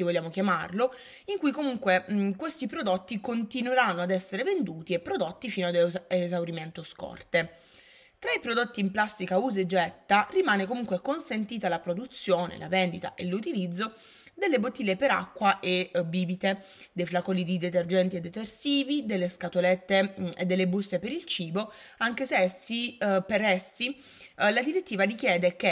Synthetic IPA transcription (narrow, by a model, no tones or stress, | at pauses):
ivoʎːjaːmokjamarlo | iŋkujkomuŋkwekwest̪ipɾod̪ot̪ːikont̪inweɾanːoad̪ɛsːeɾevend̪uːt̪iepːɾod̪ot̪ːifiːnoad̪ezawɾiment̪oskɔ̰rt̪e | t̪ɾaipɾod̪ot̪ːiːmplasːikauːzed͡ʒɛt̪ːarimaːnekomuŋkwekonsent̪iːt̪alapɾod̪ut̪sːjoːnḛla̰vend̪it̪a̰ʔelut̪ilid̪zːo | d̪elːebot̪ːiːlːepeɾa̰kːwaʔebiːbit̪e | d̪ejflakɔːlid̪id̪et̪erd͡ʒɛnt̪ied̪ːet̪ersiːvid̪elːeskat̪olet̪ːeḛd̪ːelːebust̪ːepeɾilt͡ʃiːbo | aŋk̟eseɛsipeɾɛsːi | lad̪iɾet̪ːiːvarik̟jɛːd̪eke